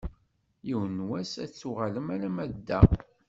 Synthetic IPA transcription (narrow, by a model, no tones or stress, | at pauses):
jiwənwæsæ̰t͡sːuʁaləmæɾæmæd̪ːæ